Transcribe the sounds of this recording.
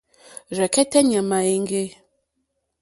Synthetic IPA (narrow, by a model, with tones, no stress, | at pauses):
ɾɛ˨kɛ˦tɛ˦ɲɛ˨ma˨e˦ŋ˦ɡe˦